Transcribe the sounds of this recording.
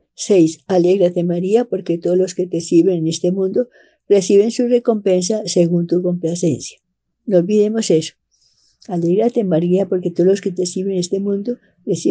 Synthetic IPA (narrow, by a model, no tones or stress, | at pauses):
sejsale̞ɣɾat̪e̞maɾiapo̞ɾket̪oðolo̞ske̞t̪esiɾβenene̞st̪e̞mũnd̪o̞ | re̞siβe̞nsure̞ko̞mpe̞ns̬ase̞ɣunt̪uko̞mplase̞nsjḁ | nolβiðe̞mo̞seso̥ | ale̞ɣɾat̪e̞maɾiapo̞ɾket̪oolosket̪esiβenest̪e̞mũnd̪o | resi